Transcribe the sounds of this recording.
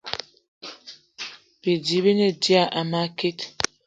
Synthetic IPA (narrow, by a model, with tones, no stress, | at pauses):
bi˨d͡ʒi˨bi˦ne˦di˦a˨ʔa˨ma˦ki˦t